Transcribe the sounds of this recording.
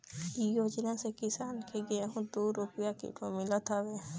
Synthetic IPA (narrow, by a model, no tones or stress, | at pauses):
ijoːd͡ʒnasekɪsaːnkeɡeeɦũd̪uːɾʊpjakḭʈomɪlat̪ʰaʋe